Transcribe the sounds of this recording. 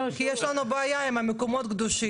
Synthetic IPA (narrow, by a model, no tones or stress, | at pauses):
kijɛʃlanubaːjaimamekomot̪ɡd̪uʃi